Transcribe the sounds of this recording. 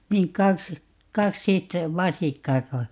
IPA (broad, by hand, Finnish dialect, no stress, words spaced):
niːn kɑks kɑksit ʋɑsikːɑːko